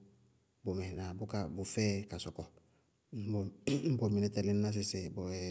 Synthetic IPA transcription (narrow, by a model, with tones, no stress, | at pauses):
bo˨mɛ˨na˨bʊ˦ka˨bʊ˨fɛ˦ka˨sɔ˨kɔ˨ | m̩˦bm̩˦bɔ˨mi˨nɛ˦tɛ˨lɪ˦n˦na˦s̬ɪ˨sɪ˨bo˨ɛ˨